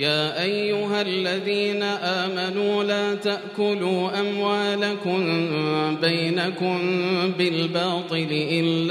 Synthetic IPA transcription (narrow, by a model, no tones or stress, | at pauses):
jaːʔajːʊɦalːaðiːnaʔaːmanuːlaːt̪aʔʔkʊluːʔamwaːlakʊmbajnakʊmbɪlbɑːt̪ˤɨlɪʔɪlː